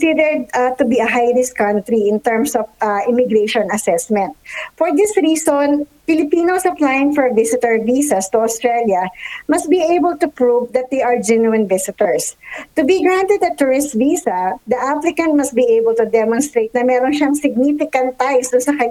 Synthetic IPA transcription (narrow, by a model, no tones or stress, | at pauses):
sɪd̪ɛɹd̪̚ɐt̪ʊbiɐɦajɾɪskɐ̃nt̪ɾiɪ̃nt̪ɛɹmsɔfaʔɪmɪɡɾeʃɔ̃nɐsɛsmɛ̃nt̪̚fɔɹd̪ɪsɹiːsonpɪlɪpiːnosɐplajɪ̃ŋfɔɹvɪsɪt̪ɛɹviːsɐst̪ʊost̪ɹɛljɐmɐst̪̚biejbɛlt̪ʊpɹuvd̪ɐt̪̚d̪ejʔɐɹd͡ʒɛnuɪ̃nvɪsɪt̪ɛɹst̪ʊbiɡɹãnt̪ɛd̪ɐt̪ʊɹɪst̪viːsɐd̪ɐʔaplɪkɐ̃nt̪̚mɐst̪̚biejbɛlt̪ʊd̪ɛmɔ̃nst̪ɾejt̪̚nɐmɛːɾonʃaŋsɪɡ̚nifɪkɐ̃nt̪ːajsd̪ʊnsɐkɐ